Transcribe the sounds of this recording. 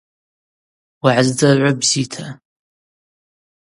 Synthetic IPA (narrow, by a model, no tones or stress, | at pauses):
waʕazdɐʕʷʊbzitʰa